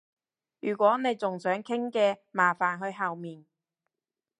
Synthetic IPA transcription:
jyː˨˩kʷɔː˨˥ne˨˧jt͡sʊ˨ŋsœː˨˥ŋkʰɪ˥ŋkɛː˧maː˨˩faː˨˩nɦɵ˧ɥɦɐ˨wmiː˨n

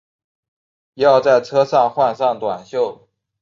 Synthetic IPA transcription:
jɑ˥˧ʊt͡sa˥˩ɪʈ͡ʂʰɤ˥ʂɑ˥˧ŋxwa˥˧nʂɑ˥˩ŋt̪wa˨˩nɕjo˥˩ʊ

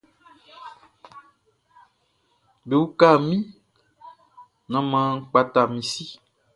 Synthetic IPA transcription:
be˨wu˦ka˦˨mĩ˦ | nɔ̃˦mã˦k͡pa˦t̪a˨mĩ˨si˦

